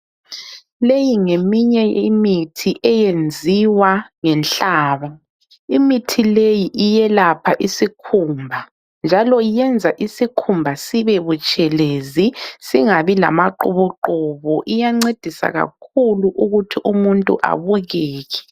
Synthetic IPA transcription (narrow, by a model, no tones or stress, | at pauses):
lejiŋemiɲɛimitʰiʔɛjend͡zʱiwaŋɛnɬaːβa | imitʰilejiʔijɛlapʰaʔisikʰuːmbʱa | nd͡ʒʱalɔijɛnd͡zʱaʔisikʰumbʱasiβɛβut͡ʃʼɛlezisiŋaβila̰maǃṵβuǃuβɔʔijaŋ͡ǀed̥ʱisa̰ɣa̰kʰuluʔuɣutʰiʔumuntʼṵʔa̰βuɣɛːɣɛ̥